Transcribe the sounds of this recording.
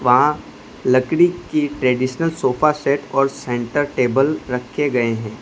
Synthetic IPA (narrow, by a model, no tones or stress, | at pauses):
ʋɐɦã | lɐkɽikiʈɾɛːɖiːʃnəlsoːfasɛːʈɔːɾsɛ̃ɳʈəɾʈeːbəlɾɐkʰːeɡɐeɦɛ̃ː